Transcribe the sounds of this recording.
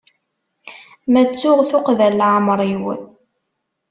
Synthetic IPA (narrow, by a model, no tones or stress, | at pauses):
mæt͡sːʊʁθʊqðælːʕəmɾˤiwə̰n